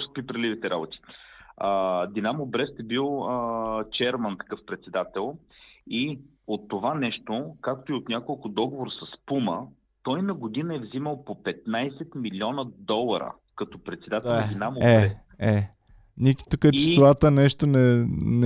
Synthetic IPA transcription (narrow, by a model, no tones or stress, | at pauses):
ʃpɾipɾɐlivit̪ɛɾabot̪i̥əd̪inamobɾɛst̪ɛbilˠət͡ʃɛɾmənt̪ɐ̥kɤfpɾɛt̪sɛd̪at̪ɛlˠi | ot̪ːovanɛʃt̪okak̚t̪oiot̪nʲakolˠkʊd̪ɔɡovoɾəsɐspumə | t̪ɔjnɐɡod̪inəɛvziməlˠpopɛt̪najsɛt̪milʲiɔnəd̪ɔlˠɐɾə̰ | kɐt̪ɔpɾɛt̪sɛd̪at̪ɛd̪inamoɛɛs | ɛ | niki̥t̪ukət͡ʃi̥slˠat̪ənɛʃt̪onɛn